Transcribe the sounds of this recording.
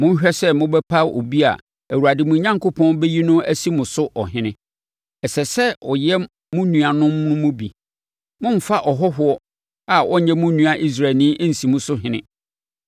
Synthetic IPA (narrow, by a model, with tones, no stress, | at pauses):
mʊ̃˦ɕᶣɛ˦sɛ˦mʊ̃˦bɛ˦pʰa˦o̰˨bi˦a̰˨ | æ˨wu˨ɾa˨dɪ˨mʊ̃˨ɲã˦ŋkʰo˦pʰɔ̃˦nbɛ˦ji˦nʊ̃˦æ˦si˦mʊ̃˨sʊ˦ʔɔ˨ɦɪ̃˦nɪ̃˦ | ɛ˨sɛ˨sɛ˦ɔ˨jɛ˦ | mʊ̃˦nũ˨a˨nʊ̃˦mːʊ̃˦mʊ̃˦bḭ˨ | mʊ̃˦m̩˦fa˦ʔɔ˨ɦɔ˦ɦʊ˦ɔ˦ | a˨wɔ˦ɲɛ̃˦mʊ̃˦nũ˨a˨ʔi˦s̬ɾa˨nĩ˦ʔn̩˨sĩ˨mʊ̃˦sʊ˦ɦɪ̃˨nɪ̃˦